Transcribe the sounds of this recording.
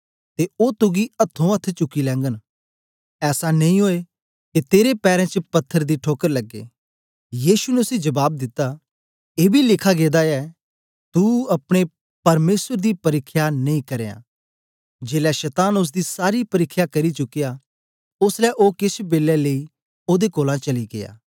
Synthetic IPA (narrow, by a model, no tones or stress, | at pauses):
t̪eoːt̪ʊɡiɐt̪ʰːõɐt̪ʰːt͡ʃʊkːilɛ̃ːŋɡən | ɛːsanɐ̃ĩɦoːe | ket̪eːɾepɛːɾɛ̃t͡ʃəpɐt̪ʰːəɾd̪iʈʰoːkəɾlɐɡːḛː | jiːʃunɛʊsĩd͡ʒɐbaːb̚d̪ɪt̪ːa | eːbʱilɪkʰaɡeːd̪aɛ | t̪uɐpɽ̃e | pɐɾmeːsəɾd̪ipɐɾɪkʰːjanɐ̃ĩkɐɾḛːã̰ː | d͡ʒeːlɛʃɛt̪aːnʊs̬d̪isaːɾipɐɾɪkʰːjakɐɾit͡ʃʊkːija | ʊslɛʔoːkɪsʰbeːlɛlei | oːd̪ekoːlãt͡ʃɐliɡeja̰ː